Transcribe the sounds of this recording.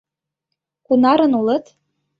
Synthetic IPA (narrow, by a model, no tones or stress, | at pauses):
kunɑɾɤ̆nulɤ̆t̪